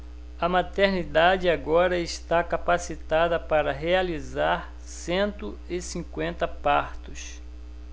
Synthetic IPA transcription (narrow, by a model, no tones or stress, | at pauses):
ɐmat̪eɾnid̪ad͡ʒɪaɡɔɾɐɪst̪akapasit̪ad̪ɐpaɾɐɦealizaɾ | sẽnt̪ʊ | ɪsĩŋkwẽnt̪ɐpaɾt̪ʊs